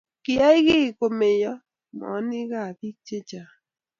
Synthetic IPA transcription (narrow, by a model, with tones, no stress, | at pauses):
kɪ˨ja˦ɪ˦ɣɪ˦˨ko˨me˨jɔ˦ | mɔ̰˨˦nɪ˦ɣa˦˨bi˦t͡ʃe˦t͡ʃa˨